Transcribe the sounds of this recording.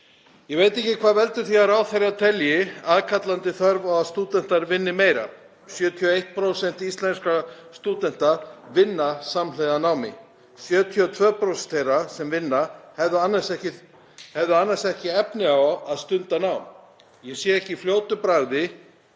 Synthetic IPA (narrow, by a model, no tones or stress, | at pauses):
jɛveːjt̪ɛhcɪkʰvaːðvɛlt̪ʏ̥θiaɾawθeɾaðt̪ʰɛljɪaðkʰat̪lant̪ɪθœɾvawaðst̪uːt̪ɛn̥t̪aɾvɪnːɪmeːjɾa̰ | sjœːt̪ʰiɔejht̪̚pʰɾowsɛn̥t̪ist̪lɛnskast̪uːt̪ɛn̥t̪aɾ̥vɪnːasamlɛjðanaːwmɪ̰ | sjœːt̪ʰiɔt̪ʰvœːpɾowsɛn̥t̪ʰejɾasɛmvɪnːahɛðanːasɛcɪ | hɛvðʏanːasɛhcɪɛpnɪawaðst̪ʏnt̪anaːwm | jɛsjɛɛhcɪfljoːwt̪ʏpɾaɣðɪ